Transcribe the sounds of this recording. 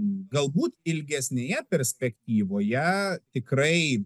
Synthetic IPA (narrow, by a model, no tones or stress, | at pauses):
ɡɐlˠbuːt̪ɪlʲɡʲɛsʲnʲeːjɛpʲɛɾʲsʲpʲɛkt̪ʲiːʋoːjɛt̪ʲɪkɾɐɪ